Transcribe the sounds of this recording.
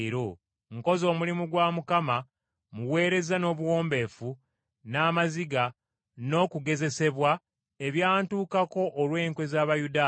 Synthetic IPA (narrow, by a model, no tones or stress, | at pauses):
ɾo | ŋko̞zo̞ːmulimuɡwaːmukama | muwe̞ːɾe̞zano̞ːβuwo̞ːmbe̞fu | naːmaziɡa | no̞ːkuɡe̞ze̞se̞βwa | eβjaːntuːkako̞ʔːlwe̞ːŋkwe̞zaːβajudaː